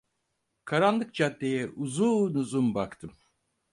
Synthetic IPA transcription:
kʰaɾanlˠɯk̚d͡ʒad̪ejɛʔuzuːnuzumbakt̪ʰɯm

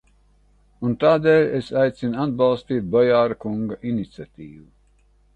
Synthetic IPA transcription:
unt̪aːd̪eːlʲesajt̪sinad̪̚bɑlˠst̪iːt̪̚bɔjaːɾakuŋɡaʔinit̪sʲat̪iːvu

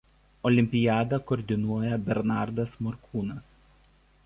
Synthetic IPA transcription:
ɔlʲɪmʲpʲɪjæːd̪ɐkɔːɾʲd̪ʲɪnuɔjɛbʲɛɾnɑˑɾd̪ɐsmɔɾkʰuːnɐs

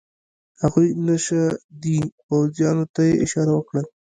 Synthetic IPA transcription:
haɣujnaʃad̪ipawzjɑnot̪ajeʔɪʃɑɾawəkɽa

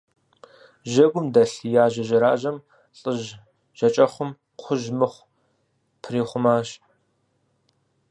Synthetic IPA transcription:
ʒɐɡʷʊmdɐɬijaːʒɐʒɐɾaːʒɐm | ɬʼɨʒ | ʒ̥ɐt͡ʃʼɐχʷʊm | qʷʰʊʒmɨχʷ | pʰriːχʷʊmaːʃ

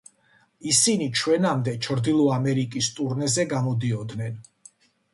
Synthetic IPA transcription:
isinit͡ʃʰwɛnamd̪ɛt͡ʃʰɾd̪ilˠɔamɛɾikʼist̪ʼuɾnɛzɛɡamɔd̪iɔd̪nɛn

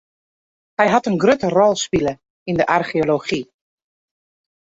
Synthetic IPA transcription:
hɛjɦɑtənɡrøtərɔlˠspilə | indəʔarχioloχi

